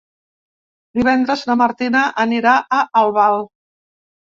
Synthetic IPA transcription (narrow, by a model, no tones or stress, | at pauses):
d̪iβɛnd̪ɾəznəməɾt̪inəʔəniɾaʔəʔəlˠβalˠ